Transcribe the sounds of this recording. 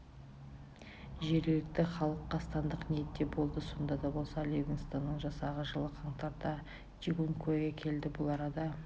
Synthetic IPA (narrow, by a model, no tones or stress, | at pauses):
ʒe̞ɾɡɪlɪk̚t̪ɪχɑlˠəqːɑst̪ɑnd̪əqnije̞t̪ːe̞bo̞lˠd̪əso̞nd̪ɑd̪ɑbo̞lˠsɑlʲeɡɪnst̪ɑnːəɴʒɑsɑʁəʒəlˠəqʰɑɴt̪ɑɾd̪ɑ | t͡ʃiɡoŋkʰoɡʲekʲʰe̞ld̪ɪbʊlˠɑɾɑd̪ɑ